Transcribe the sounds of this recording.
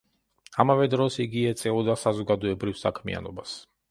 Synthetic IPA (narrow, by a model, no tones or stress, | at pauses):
amavɛd̪ɾɔsiɡiɛt̪sʼɛɔd̪asazɔɡad̪ɔɛbɾivsa̰kʰmḭa̰nɔbas